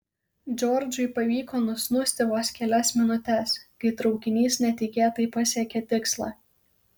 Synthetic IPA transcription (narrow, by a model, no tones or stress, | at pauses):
d͡ʒʲɔɾʲd͡ʒʲʊɪpɐʋʲiːkoːnʊsʲnʊsʲt̪ʲɪʋoːskʲɛlʲɛsmʲɪnʊt̪ʲɛskɐɪt̪ɾɒʊkʲɪnʲiːsnʲɛt̪ʲɪkʲeːjt̪ɐɪpɐsʲiɛkʲɛt̪ʲɪkslˠɑ̰ː